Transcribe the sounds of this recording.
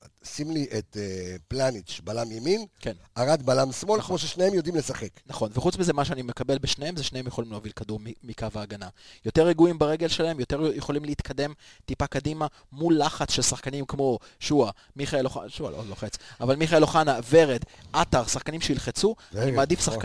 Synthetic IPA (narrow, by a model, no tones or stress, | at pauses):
simliʔet̪eplanitʃbalamjeminkenʔaʁat̪balamsmo̞lkmoʃ̬eʃnejemjod̪imlesaχeknaχo̞nveχut͡smizemaʃeanime̞kabe̞lbeʃneemzeʃnehemjeχolimleavilkaduʁmiːikavaːɡanajo̞t̪e̞ʁeɡuimbaʁe̞ɡelʃelahemjo̞te̞ʁjeχo̞limleit̪kʰade̞mtipakadima | mulːaχat͡sʃelsaχkanimkmo̞ʃua | miχaeloχa̰ʃua̰lo̰loχet͡savalmiχaeloχanave̞ʁed̪ʔataʁsaχkanimʃeilχet͡suanimaːd̪ifsak